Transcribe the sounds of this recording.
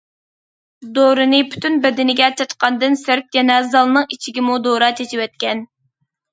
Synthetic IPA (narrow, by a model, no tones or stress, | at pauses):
d̪oɾɨnɨpʰy̥t̪ʰynbɛd̪ɪnɪɡʲɛt͡ʃʰɑt̪qɑnd̪ɨnsøɾk̚ʲjɛnɛzɑlˠnɨŋit͡ʃʰiɡʲimud̪oɾɑt͡ʃʰet͡ʃʰiwɛt̪̚kʲɛn